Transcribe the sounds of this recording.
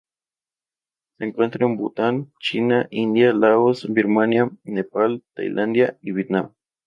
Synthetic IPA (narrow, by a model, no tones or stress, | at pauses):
seːŋkwent̪ɾaembut̪ant͡ʃinaʔind̪jalaosbiɾmanjanepalt̪a̰jlʔand̪jaiβjet̪nam